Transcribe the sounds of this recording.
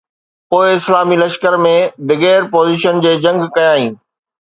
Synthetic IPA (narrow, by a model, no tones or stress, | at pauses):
poːɪɪslaːmilɐʃkəɾmẽbɐɣɛːɾpoːziːʃənd͡ʑeːd͡ʑɐ̃ŋɡkɐjaːɦĩː